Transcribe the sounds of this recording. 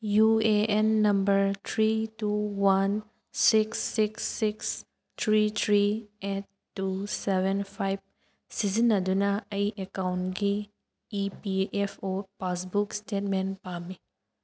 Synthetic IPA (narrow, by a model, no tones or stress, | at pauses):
jueenːɐmbɐɾt̪ʰɾituwan | siksːiksːiks | tʰɾit̪ʰɾietːusebʱenpʰajb̚ | sizinːɐdunɐɐjʔekawntɡiː | piʔepʰopasbukstet̚menpami